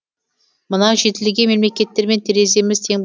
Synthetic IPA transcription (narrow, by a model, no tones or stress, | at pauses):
mənɑʒe̞t̪ɪlɡʲeme̞mlekʲe̞t̪ːe̞ɾme̞nt̪ʰeɾe̞ze̞mɪzt̪ʰe̞ŋb